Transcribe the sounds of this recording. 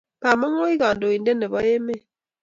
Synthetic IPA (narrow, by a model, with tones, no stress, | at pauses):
pa˨mɔ˦ŋo˦i˦ɣa˨ndo˨i˨nde˦ne˨bɔ˦je˦me˦˨